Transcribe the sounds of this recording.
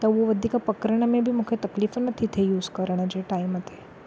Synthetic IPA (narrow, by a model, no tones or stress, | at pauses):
t̪əʋoʋəd̪ʱikapəkɾəɳ̃əmẽbʱiːmukʰet̪əklifənət̪ʰit̪ʰejuːzkəɾɳ̃əd͡ʑeʈaimat̪ʰe